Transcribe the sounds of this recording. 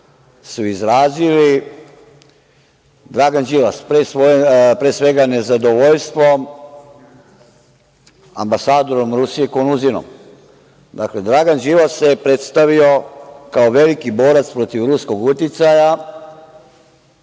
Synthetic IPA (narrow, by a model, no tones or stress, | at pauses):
suizɾaːzili | d̪ɾaɡand͡ʒilaspɾesʋoepɾesʋe̞ɡane̞zad̪o̞ʋoʎst̪ʋo̞m | a̰mbasaːd̪o̞ɾo̞mɾusije̞konuzino̰m | d̪akle̞d̪ɾaɡand͡ʒilasepɾe̞t̪st̪aʋio̞kaoʋe̞likibo̞ːɾat̪spɾo̞t̪iʋɾusko̞ɡut̪it̪saja